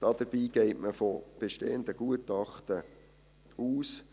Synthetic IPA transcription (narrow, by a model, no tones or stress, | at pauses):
d̥ɑd̥̪əɾbiːɡɛɪtməfob̥eʃteːənd̪əɡ̥uətɑχtə | uːs